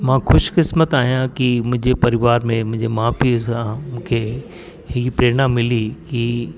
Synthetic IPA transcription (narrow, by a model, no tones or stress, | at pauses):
mãːxʊʃkɪsmət̪aːɦijãkimʊ̃ɦɪ̃ɲd͡ʑepɐɾɪʋaːɾmẽmʊ̃ɦɪ̃ɲd͡ʑemãːpʰisãmũːkʰe | ɦɪkipɾeːɽ̃ãmːɪliki